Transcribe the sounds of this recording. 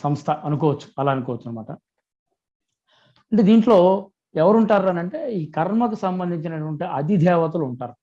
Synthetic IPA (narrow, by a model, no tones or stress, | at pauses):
sɐmst̪ʰɐʔɐnukɔːʋɐt͡ʃːu̥ɐlaːɐnukɔːʋɐt͡ʃːɐnɐmaːʈɐ | ɐɳʈeːd̪iːɳʈlo̞ː | ɛʋɐɾuɳʈaːɾɐnɐɳʈe̞ːiːkɐɾmɐkusɐmbɐnd̪ʱiɲt͡ʃinɐʈuʋɐɳʈiʔɐd̪id̪ʱɛːʋɐt̪̬uluuɳʈaːɾu